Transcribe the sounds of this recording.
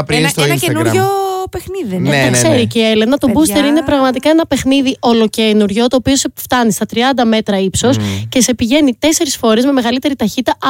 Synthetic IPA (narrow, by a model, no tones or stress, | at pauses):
pɾst̪nɐenuɾopexniðinɐkse̞ɾicielenɐt̪obust̪e̞ɾine̞pɾɐɣmɐt̪ikɐe̞nɐpe̞xniðiʔo̞lo̞cenuɾʝo̞t̪o̞ːpio̞seft̪ɐnist̪ɐt̪ɾiɐnd̪ɐme̞t̪ɾɐipso̞sce̞se̞piʝe̞nit̪e̞se̞ɾisfo̞ɾe̞zme̞me̞ɣɐlit̪e̞ɾit̪ɐçit̪ɐ